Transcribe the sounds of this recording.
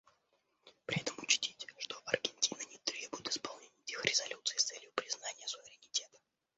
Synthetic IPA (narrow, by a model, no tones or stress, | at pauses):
pɾʲɪɛt̪əmʊt͡ɕtʲitʲʂt̪oʔɐrɡʲɪnʲtʲinənʲɪt̪ɾʲebʊjɪt̪ɪ̥spɐlˠnʲenʲɪːtʲexɾʲɪzɐlʲut̪sɨːst̪sɛlʲjʊpɾʲɪznanʲɪjəsʊvʲɪɾʲɪnʲɪtʲe̞t̪ə̥